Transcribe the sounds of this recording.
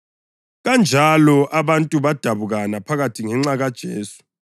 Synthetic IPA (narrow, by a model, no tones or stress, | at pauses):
ɣand͡ʒʱalɔʔaβantʼuβad̥ʱaβuɣanapʰaɣatʰiŋɛŋ͡ǁaɣad̥ʒ̥ʱeːsu̥